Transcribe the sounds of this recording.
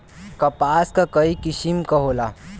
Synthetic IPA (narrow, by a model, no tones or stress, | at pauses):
kɐpaskakəikisimkəɦola